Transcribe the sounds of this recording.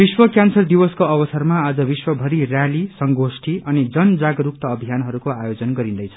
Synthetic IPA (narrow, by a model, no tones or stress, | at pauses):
biswʌkjansʌrd̪ibʌskoʌbʌsʌrmaːd͡zʌbiswʌbʱʌɾirjalisʌŋɡosʈʰiʔʌnid͡zʌnd͡zaɡʌɾuk̚t̪ʌːbʱijanɦʌɾukoajod͡zʌnɡʌɾĩnd̪ʌjt͡sʰʌ̥